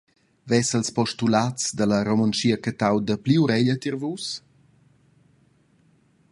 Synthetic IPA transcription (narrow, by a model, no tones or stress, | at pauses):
vɛsəlspɔʃtulat͡sd̪ələɾomant͡ʃiəkət̪awd̪əpliuɾɛʎət̪irvus